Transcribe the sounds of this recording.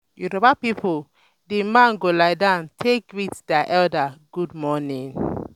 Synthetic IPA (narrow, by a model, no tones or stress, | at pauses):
juɾobapipʰo | dimãnɡolajdãntʰekwiθdɛʔɛldaɡ̥ud̚mɔnĩŋ